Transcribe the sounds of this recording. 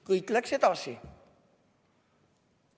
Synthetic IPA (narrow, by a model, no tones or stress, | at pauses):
kɨiklɛkset̪ɔsi